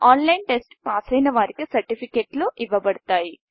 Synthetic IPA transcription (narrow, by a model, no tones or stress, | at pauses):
aːnlɐjnʈesʈpaːsɐjnɐʋaːɾikisɐɾʈipʰikeːʈluʔiʋːɐbɐɽut̪aːji